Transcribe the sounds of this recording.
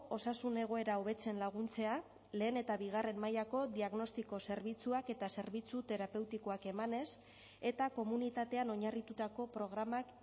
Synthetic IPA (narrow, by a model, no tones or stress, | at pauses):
o̞sasune̞ɣ̞o̞e̞ɾao̞β̞e̞t͡se̞nlaɣ̞unt͡se̞a | le̞ːne̞t̪aβiɣ̞are̞mmajako̞d̪iaɣno̞st̪iko̞se̞ɾβit͡suake̞t̪ase̞ɾβit͡sut̪e̞ɾape̞wt̪iko̞ake̞mane̞s | e̞t̪ako̞munit̪at̪e̞ano̞ɲarit̪ut̪ako̞pɾo̞ɣ̞ɾamak